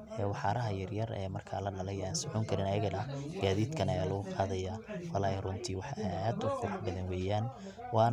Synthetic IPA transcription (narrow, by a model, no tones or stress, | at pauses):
ʔɛːwɑħɑːɾɐɦɐjɐrjɐrɛ̰ːmɐrkʰa̰lɐɖɐlɛjaːnsʊħʊŋkʰɐɾɪnɐjɐɣɐnɐɡ̥aːðiːd̪kʰɐnɐjaːlɐɣʊqʰɑːðɐjawɐlaːɐrʊnt̪ʰiːwɑħad̪ʊqʰʊɾʊħbɐðɐnwɛːjaːn | wɑː